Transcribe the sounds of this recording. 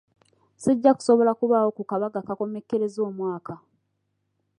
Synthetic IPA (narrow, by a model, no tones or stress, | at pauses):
siɟːaku̥so̞βo̞lakuβaːwo̞kukaβaɡakako̞me̞kːe̞ɾe̞zoːmwaːka